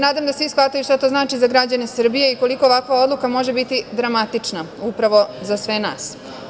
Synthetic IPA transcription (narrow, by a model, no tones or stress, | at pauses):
naːd̪amd̪asʋisxʋat̪ajuʃt̪at̪o̞znaːt͡ʃizaɡɾad͡ʑanesr̩bije̞iko̞liko̞ːʋakʋao̞d̪lˠukamo̞ʒe̞bit̪id̪ɾamat̪it͡ʂnaupɾaʋo̞zasʋe̞na̰ːs